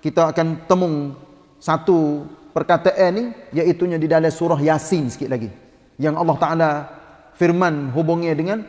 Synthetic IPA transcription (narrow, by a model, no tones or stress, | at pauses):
kit̪aːkant̪əmʊŋ | sat̪upərkat̪əʔɛnijait̪uɲadidalasuɾaɦjasɪnsə̥kɪt̪̚laɡi | jaŋɑlːɑht̪aʔala | firmanɦubʊŋɲadəŋan